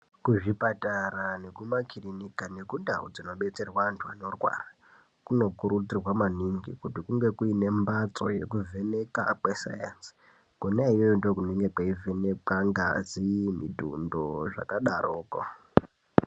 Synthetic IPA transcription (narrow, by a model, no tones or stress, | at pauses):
kuʐipatarane̞kumakʰirinikane̞kundaṵd͡zino̞ɓe̞t͡se̞rwantʰua̰no̞rwa̰ra | kuno̞kuɾut͡sirwamaniŋɡḭkutikuŋɡe̞kuine̞mbat͡so̞̰je̞̰kuve̞neka̰kwesa̰jansi̥ | konaiwojondokuneŋɡekwaivenekaŋɡazimḭdʱṵndoʐa̰kaɗarʔoːko̰